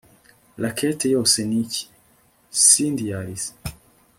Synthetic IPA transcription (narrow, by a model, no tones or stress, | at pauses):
lakʰɛt̪ʰejosenici̥ | sind̪iaɾis